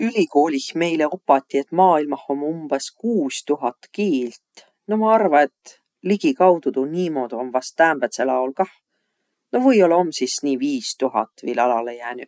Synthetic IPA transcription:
ylʲiko̞ːlʲihme̞jle̞opːˑɑt̪ʲːiet̪ˑmɑːilmɑho̞mumb̥eskuːst̪uɦɑt̪ːkiːlt̪ | nomɑɑrvɑe̞t̪ | liɡ̥ikɑwd̪̥ud̪uniːmo̞d̪o̞mvɑst̪ːæːmb̥et̪selɑolkɑh | novɤjo̞lɑo̞msisniːviːst̪uɦɑ̰t̪ːˑvɤ̰jlɑlɑlejæːny̥

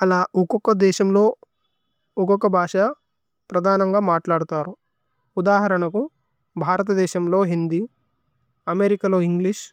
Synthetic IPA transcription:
ɐlaːʔɔkɔkːɐd̪ɛːʃɐmloː | ɔkɔkːɐbʱaːʂɐ | pɾɐd̪ʱaːnɐŋɡaːmaːʈlaːɽut̪aːɾu | ud̪aːɦɐɾɐɳɐku | bʱaːɾɐt̪̬ɐd̪ɛːʃɐmlo̞ːɦind̪i | ɐmeɾikɐlo̞ːiŋɡliʂ

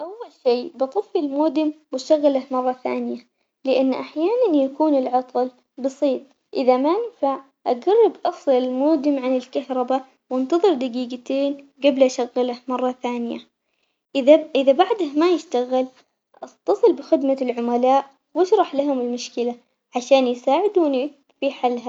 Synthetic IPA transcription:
ʔawːalʃiːbɨt̪ˤɨfːɪlmoːd̪ɪmwɪʃaɣːalahmɑrˤːɑθa̰ːnɪja | lɪʔanːʔaħjaːnanjakuːnɪlʕɑt̪ˤl | bɑsˤiːt̪̚ˤ | ʔɪðamaʔɪnfaʕ | ʔaɡarˤːɑbʔɑsˤlɪlmoːd̪ɪmʕanɪlkahɾˤɑba | wɪnt̪ɑðˤɨɾd̪aɡiːɡat̪eːnɡablʔaʃaɣːɪlahmɑrˤːɑθaːnɪja̰ | ʔaʔɪðabaʕd̪ahmajɪʃt̪aɣɪl | ʔɑt̪ːɑsˤɨlbɪxɪd̪malʕʊmalaːʔ | wɪʃɾˤɑħlaɦʊmɪlmʊʃkɪla | ʕaʃaːnjsaːʕɪd̪uːni | fiħalːɦa

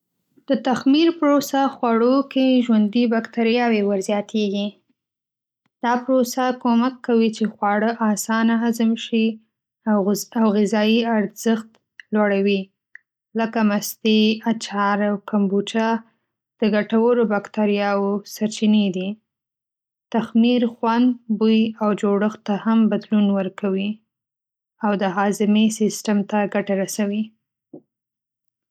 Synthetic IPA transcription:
d̪̥ət̪axmiɾpɾosaxwaɽokeʒwand̪ibakt̪aɾijɑwewəɾzjɑt̪ʰeɡi | d̪̥ɑpɾosakomakʰːawit͡ʃexwɑɽəʔɑsɑnaɦazəmʃi | awɣɪzɑjiaɾz̥əxt̪ | lwaɽawi | ləkamast̪eat͡ʃɑɾawkambut͡ʃa | d̪̥əɡaʈawəɾobakt̪aɾjɑwosaɾt͡ʃined̪i | t̪axmiɾxwand̪bujawd͡ʒoɽəxt̪ːahambad̪lunwəɾkawi | awd̪əɦɑzɪmesɪsʈamt̪aɡaʈaɾasawi

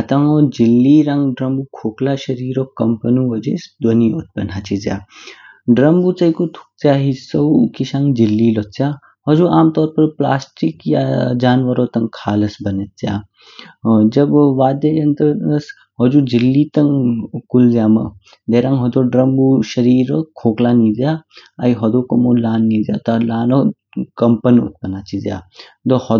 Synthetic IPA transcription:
ɐt̪aŋod͡ʒilːiɾaŋɡɖɾɐmbukʰoːklaʃɐɾiːɾɔkːɐmpənuʋɔd͡ʒesd̪wɔniɔt̪̚pʲɐ̰nɦat͡ʃizja̰ː | ɖɾɐmbut͡sɐjkut̪ʰu̥k̚t͡sjaɦisɐwkiʃãŋɡd͡ʒilːiːlɔt͡sja | ɦɔd͡ʒuʔaːmt̪ɔːɾpɐɾpla̰ːsʈikja̰d͡ʒaːnʋɐɾoːt̪ɐŋkʰaːlɐsbɐnet̪̚t͡sja̰ | d͡ʒɐbʋaːd̪ejɐnt̪əɐs | ɦɔd͡ʒuːd͡ʒilːiːt̪ɐŋkulzjaːmɐ̰ | d̪eɾãːŋɡɦɔd̪oːɖɾɐmbuːʃɐɾiːɾəkʰoːklaniːzjaaiɦɔd̪oːkɐmoːlaːnːizja̰ːt̪alaːno | kɐmpənṵt̪̚pɐnaːt͡ʃʰizja̰ | d̪ohɔ

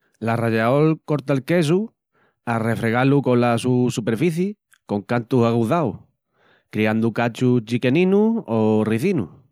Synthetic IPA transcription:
laraʝaolko̞ɾt̪alke̞s̬u | are̞fɾe̞ɣaluko̞lasusupe̞ɾfiθje | ko̞ŋkant̪usaɣuðaw | kɾiand̪ukat͡ʃut͡ʃike̞nĩnuoriθinṵh

